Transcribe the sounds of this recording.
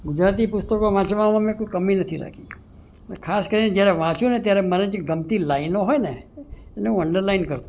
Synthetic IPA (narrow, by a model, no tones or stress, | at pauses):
ɡʊd͡ʒɾat̪ipʊst̪əkoʋãt͡ʃʋamãmẽkoikəminət̪ʰiɾa̰kʰi | pəkʰaskəɾined͡ʒjaɾeʋãt͡ʃũnet̪jaɾɛməɾə̃d͡ʒɡəmt̪ilainoɦojneeneũəɳɖəɾlainkəɾt̪ũ